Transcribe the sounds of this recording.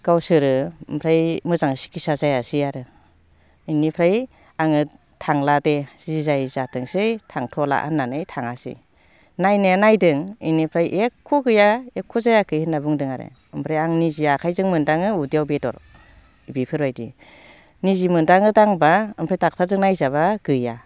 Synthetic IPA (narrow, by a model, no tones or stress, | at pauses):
ɡ̥awsɯɾɯɯmpʰɾajmɯzaŋsi̥kisazajasiaɾɯ | ɯjnipʰɾaj | aŋɯ | tʰaŋladezizajzatʰɯŋsɯjtʰaŋtʰɔla̰ʔa̰nːanɯjtʰaŋasḭ | najnenajdɯŋɯjnipʰɾajʔekʰːɔɡɯjaekʰːɔzajakʰɯjhɯnːabɯŋdɯŋaɾḛ | ɯmpʰɾajaŋniziakʰajzɯŋmɯndaŋɯudijawbetɔ̰ɾ | bipʰɯɾbajdḭ | nizimɯndaŋɯdaŋbaɯmpʰɾajtak̚tʰazɯŋnajzaβaɡ̥ɯja